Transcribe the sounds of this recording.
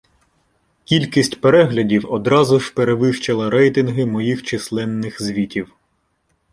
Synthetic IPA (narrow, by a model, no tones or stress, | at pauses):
kʲilʲkʲisʲtʲpeɾɛɦlʲɐdʲiwɔd̪ɾɑzʊʒ̥peɾeʋɪʃt͡ʃɐlˠɐɾɛjt̪ɪnɦɪmɔjixt͡ʃɪslˠɛnːɪxzʲʋʲitʲiw